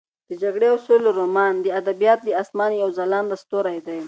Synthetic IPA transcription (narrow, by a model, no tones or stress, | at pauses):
d̪̥əd͡ʒaɡɽeʊsulɾomɑnd̪əad̪abijɑt̪̚d̪əɑsmɑnjawzalɑnd̪ast̪oɾajd̪aj